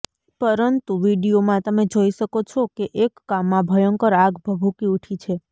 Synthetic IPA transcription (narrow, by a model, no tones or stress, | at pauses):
pəɾənt̪uʋiɖijomãt̪əmed͡ʒoiʃəkot͡ʃʰokeʔekːamːãbʱəjəŋkəɾaɡbʱəbʱukiuʈʰit͡ʃʰe